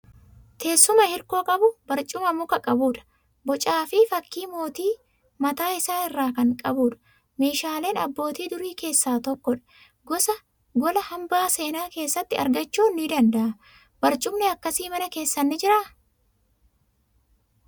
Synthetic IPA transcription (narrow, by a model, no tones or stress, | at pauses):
t̪ʰe̞ːsːʊmɐhɪɾko̞ːkʼɐbʊbɐɾt͡ʃʼʊmɐmʊkɐkʼɐbuːᶑɐ̥ | bɔt͡ʃʼaːfɪfɐkːiːmo̞ːt̪iː | mɐt̪aːɪsaːɪrːaːkɐŋkʼɐbuːᶑɐ̥ | me̞ːʃaːle̞ːnɐ̰bːo̞ːt̪iːd̪ʊɾiːke̞ːsːaːt̪ɔkːɔᶑɐ̥ | ɡɔsɐ | ɡɔlɐhɐmbaːse̞ːnaːke̞ːsːɐt̪ːɪɐ̰ɾɡɐt͡ʃːuːnːɪd̪ɐnd̪ɐʔɐ | b̥ɐɾt͡ʃʼʊmnɛɐkːɐsiːmɐnɐke̞ːsːɐnːɪd͡ʒɪɾaː